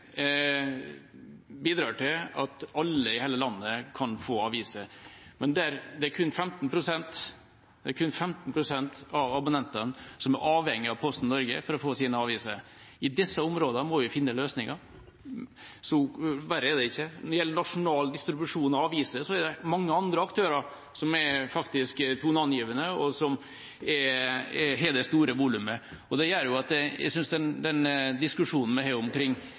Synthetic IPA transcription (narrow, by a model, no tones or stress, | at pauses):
biːd̪ɾɑːʈɪlɑt̪ɑlːəɪheːləlɑnːəkʰɑnfoːɑʋiːsəmɛnd̪ɛæɾd̪ɛæɾkʰʉnfɛmt̪npʰɾʊsɛnt̪ | d̪ɛæɾkʰʉnfɛmt̪npʰɾʊsɛnt̪ɑʋɑbʊnɛnt̪ənsɔmæɾʔɑːʋhɛŋːɪɑʋpʰɔst̪nnɔɾɡə̰fɔɾɔfoːsiːnəɑːʋiːsəɾ | ɪd̪ɛsːəʊmɾoːd̪əmɔʋɪfɪnːəløːsnɪŋɑ | sɔʋæɾəɛd̪ɛɪçːənɔɾɪɛlːəɳɑʂʊnɑːld̪ɪst̪ɾɪbʉʂuːnɔɑːʋiːsəsɔæd̪ɛmɑŋːəɑnd̪ɾəɑkt̪ʰøːɾɑɾ | sɔmɛɾfɑkt̪ɪskt̪ʰuːnɑnjiːʋənəɔsɔm | ɛ | ɦɛd̪ɛst̪uːɾəʋuːlʉmə | ɔd̪ɛjøːɾjʊɑt̪̚d̪ɛjæ̰ɪsʏnsd̪ɛnd̪ɛnd̪ɪskʉʂuːnn̩mɛɦæːɾʊmkʰɾɪŋː